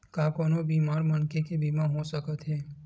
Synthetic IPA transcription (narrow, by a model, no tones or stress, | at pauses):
kakoːnobiːmaːɾmənkekebiːmaɦosəkət̪ɦɛː